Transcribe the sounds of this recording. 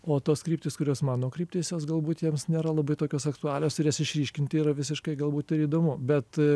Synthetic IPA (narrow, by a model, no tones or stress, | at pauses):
oːt̪oːskɾʲiːpt̪ʲeːskʊɾʲoːsmɑːnoːkɾʲiːp̚ʲt̪ʲeːsjoːsɡɐlˠbuːt̪jiɛmsnʲeːɾɐlˠɐbɐɪt̪oːkʲoːsɐkt̪ʊɑːlʲoːsɪɾjɛsɪʃʲɾʲiːʃʲkʲɪnʲt̪ʲɪiːɾɐʋʲɪsʲɪʃkɐɪɡɐlˠbuːt̪ɪɾiːd̪oːmʊbʲɛt̪